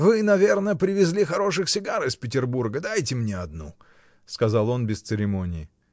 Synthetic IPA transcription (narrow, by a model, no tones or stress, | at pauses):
vɨnɐvʲe̞rnəpɾʲɪvʲɪzʲlʲixɐɾo̞ʂɨxsʲɪɡaɾɨɪspʲɪt̬ʲɪrburɡəd̪ajtʲɪmnʲeɐd̪nu | skɐzalˠo̞nbʲɪst̪sɨɾʲɪmo̞nʲɪː